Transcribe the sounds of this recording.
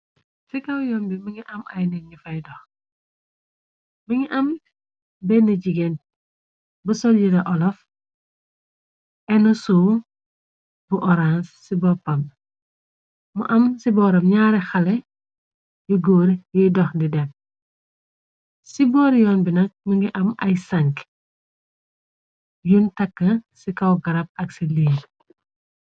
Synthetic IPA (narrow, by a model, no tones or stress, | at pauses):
sikɐwjɔːnbimiɲiʔɐmɐjnɛɲifɐjdɔx | miɲiʔɐm | bɛnɐɟiɡen | busɔlɟiɾɐʔɔlɔf | ɛnusuː | buʔɔɾansːibɔpɐm | mṵʔɐmsibɔɾɐmɲaːɾɛxɐlɛ | juɡoːɾjudɔxdidɛk̚ | sibɔːɾjɔnbinɐk̚miŋɡiʔɐmɐjsɐŋk | juntɐkːɐsikɐwɡɐɾɐp̚ɐksiliːn